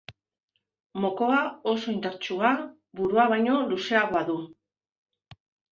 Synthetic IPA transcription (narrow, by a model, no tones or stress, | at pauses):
mo̞ko̞ao̞so̞int̪aɾt͡ʃua | buɾuaβ̞ajɲo̞luse̞aɣoaðu